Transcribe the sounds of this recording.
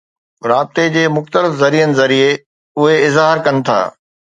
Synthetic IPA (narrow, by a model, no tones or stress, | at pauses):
ɾaːb̚t̪ed͡ʑeːmʊxt̪əlɪfzɐɾijənɪ̆zɐɾie | ʊɦeɪzaəɾkɐnɪ̆t̪ʰa̰ː